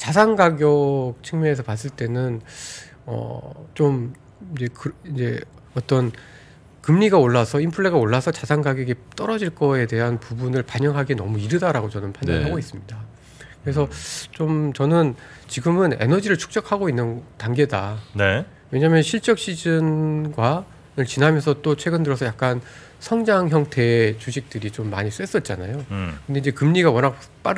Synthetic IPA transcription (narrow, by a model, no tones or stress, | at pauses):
t͡ɕasʰaŋɡaɡjʌk̚t͡ɕʰɯŋmjʌne̞sʰʌpas̬͈ɯɭt͈e̞nɯn | ʌ̰t͡ɕom | id͡ʑe̞kɯid͡ʑe̞ | ʌt͈ʌn | kɯmɲiɡaoɭːasʰʌimpʰɯɭːe̞ɡaoɭːasʰʌt͡ɕasʰaŋɡaɡjʌɡit͈ʌɾʌd͡ʑiɭk͈ʌe̞te̞ɦanpubunɯɭpaɲʌŋɦaɡenʌmuiɾɯdaɾaɡot͡ɕʌnɯnpʰandaɦaɡois͈ɯmɲida | kɯɾe̞sʰʌt͡ɕomt͡ɕʌnɯn | t͡ɕiɡɯmɯne̞̰nʌd͡ʑiɾɯɭt͡ɕʰu̥k̚t͡ɕ͈ʌkʰaɡoinːɯntaŋɡe̞dane | we̞ɲamjʌnɕʰiɭt͡ɕ͈ʌk̚ɕ͈id͡ʑɯnɡwa | ɯɭt͡ɕinɦamjʌnsʰʌt͈ot͡ɕʰwe̞ɡɯndɯɾʌs̬ʰʌjak͈̚an | sʰʌŋd͡ʑaŋçjʌŋtʰe̞t͡ɕuɕʰik̚t͈ɯɾit͡ɕomːa̰ɲis͈ʰues͈ʌt̚t͡ɕ͈ana̰jokɯnde̞id͡ʑe̞kɯmɲiɡawʌnɦakp͈aɾ